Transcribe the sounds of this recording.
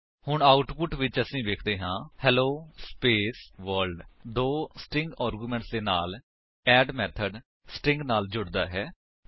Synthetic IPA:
hʊɳaːʊʈpʊʈʋɪt͡ʃəsĩːʋeːkʰd̪eːɦãːhɛːloːspeːsʋəɾlɖd̪oːsʈɪŋɡaːɾɡuːmɛ̃ɳʈsd̪eːnaːl | ɛːɖmɛːt̪ʰəɖ | sʈɪ̃ŋɡnaːld͡ʒʊɽd̪a̰ːɦɛː

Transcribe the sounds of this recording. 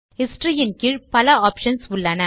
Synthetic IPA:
hɪsʈɾɪjɐnkɪɻpɐlɐaːpʂɐnsʊɭːɐnɐ

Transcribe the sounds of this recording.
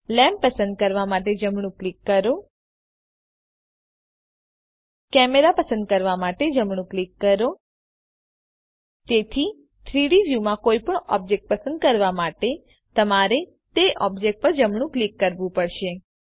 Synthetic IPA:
lɛmpəsə̃nd̪̚kəɾʋamaʈed͡ʒəmɳ̃ũklikːəɾo | kɛmeɾapəsə̃nd̪̚kəɾʋamaʈed͡ʒəmɳũklikːəɾo | t̪et̪ʰi | t̪ʰɾiɽiʋjumãkoipəɳɔ̰b̚d͡ʒek̚ʈ̚pəsə̃nd̪̚kəɾʋamaʈe | t̪əmaɾe | t̪eʔɔbd͡ʒek̚ʈ̚pəɾd͡ʒəmɳ̃ũklikːəɾʋũpəɽʃe

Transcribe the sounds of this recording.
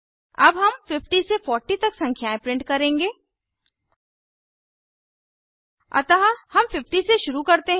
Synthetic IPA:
ɐbɦɐmfɪfʈisefɔːɾʈit̪ɐksɐ̃ŋkʰjaːẽpɾɪ̃ɳʈ̚kɐɾẽːŋɡeː | ɐ̰t̪aɦahɐmfɪfʈiseʃʊɾukɐɾt̪eɦ

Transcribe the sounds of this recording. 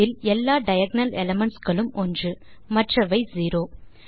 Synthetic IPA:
ɪlɛlːaːɖɐjɐɡ̚nɐlɛlɐmɐɳʈsɡɐɭɯmʔɔndrɯmɐʈrɐʋɐɪziːɾoː

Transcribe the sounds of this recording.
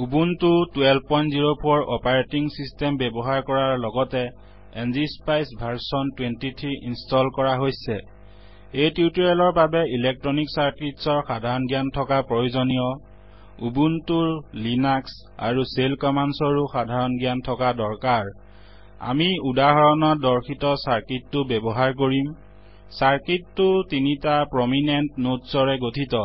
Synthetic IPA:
ubuntutuɛlpɔjnziɹopʰoɹɔpaɹetiŋsistɛmbɛbɔɦaɹkɔɹaɹlɔɡɔtɛ | ɛnzispajsbʱaɹsɔntwentitʰiinstɔlkɔɹaɦojsɛ | ejtitɔɹalɔɹbabɛilɛk̚tɹɔniksaɹkɹitsɔɹxadʱaɹɔnɡijantʰɔkapɹojuzɔnijɔ | ubuntuɹlinaks | a̰ɹuselkɔmansɔɹuxadʱaɹɔnɡijantʰɔkadɔɹkaɹ | a̰miudaɦɔɹɔnɔdɔɹxʰitɔsaɹkitːʊbɛbɔɦaɹk̬oɹim | saɹkitːʊtinitapɹɔminentnotsɔɹɛɡotʰitɔ

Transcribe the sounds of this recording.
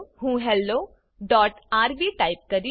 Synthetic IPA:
ɦũːɦɛlːoː | ɖɔːʈaːɾʋiʈaːɪp̚kɐɾi

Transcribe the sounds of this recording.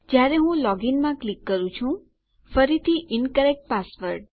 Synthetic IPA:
d͡ʒjaɾeɦũlɔɡinmãklikːəɾũt͡ʃʰũ | fəɾit̪ʰiʔɪnkəɾek̚ʈ̚pasʋəɾɖ

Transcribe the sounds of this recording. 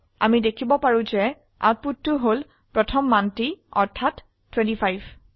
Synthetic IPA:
a̰midekʰibɔpaɹũzɛ | a̰t̚putːʊɦol | pɹɔtʰɔmːantiɔ̰ɹtʰatːʰ | wɛ̃ntipʰajb

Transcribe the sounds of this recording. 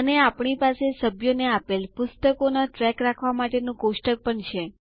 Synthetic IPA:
əneapɳ̃ipasesəbʱjoneapelpʊst̪əkonaʈɾɛkɾakʰʋamaʈenũkoʃʈək̚pəɳt͡ʃʰe

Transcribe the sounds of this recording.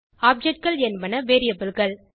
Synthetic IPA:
aːp̚d͡ʒɛʈ̚kɐɭɛnbɐnɐʋeːɾijɐbɯlɣɐɭ

